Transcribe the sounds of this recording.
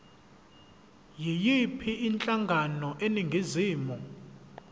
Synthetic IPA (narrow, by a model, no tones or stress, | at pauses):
jijipʰiʔint͡ɬʼaŋɡʱanɔʔeniŋɡʱiziːmu